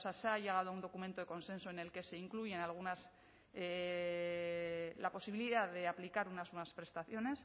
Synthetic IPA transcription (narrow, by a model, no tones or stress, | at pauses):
seaseaʎe̞ɣ̞að̞oaund̪o̞kument̪oe̞ko̞nsẽ̞nso̞ene̞lke̞se̞iŋkluʝe̞enalɣ̞unas | e | lapo̞siβiliðaðe̞aplikaɾunaznweβaspɾe̞st̪aθjo̞ne̞s